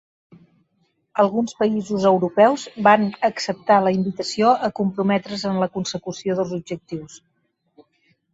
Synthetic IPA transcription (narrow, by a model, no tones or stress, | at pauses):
əlˠɣunspəizuzəwɾupɛwzβanəksəp̚t̪aləimbit̪əsioʔəkumpɾumɛt̪ɾəzənləkunsəkusioðəlˠzub̚ʒək̚t̪iws